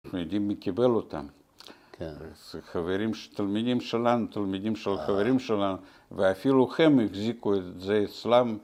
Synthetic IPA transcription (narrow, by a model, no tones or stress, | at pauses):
xnjod̪ʲimːekibelot̪a̰m | zxaveɾimʃt̪almid̪ʲimʃelanut̪almid̪imʃelxaveɾimʃelanu | veafiluxemixzikuet̪zeːt̪t͡slam